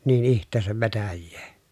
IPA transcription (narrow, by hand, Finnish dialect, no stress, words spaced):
niːn ihtˑeːsæʋ ʋetæjːeː